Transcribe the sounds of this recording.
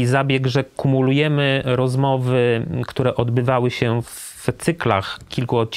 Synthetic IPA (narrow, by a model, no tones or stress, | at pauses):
zabʲjɛɡʐɛkumulujɛmɘɾɔzmɔvɘkt̪uɾɛʔɔd̪bɘvawɘɕɛf | t̪sɘkla̰xkʲilkuɔt̪̚t͡ɕ